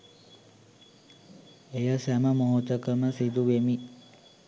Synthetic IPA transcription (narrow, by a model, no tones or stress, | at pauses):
ejəsæməmoɦot̪əkəməsid̪uʋemi